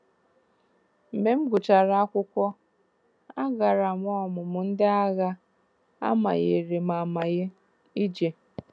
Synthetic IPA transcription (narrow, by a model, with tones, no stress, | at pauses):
m̩˨me˦m̩˦ɡʊ˨t͡ʃa˨ɾa˨a˦kʷʊ˦kʷɔ˦ | a˦ɡa˨ɾa˨m˦ɔ˦mʊ˨mʊ˨n̩˦dɪ˦a˦ɣa˦ | a̰˦ma̰˨ɣe˨ɾe˨ma˨ma˨ɣe˦ | i˦d͡ʒe˨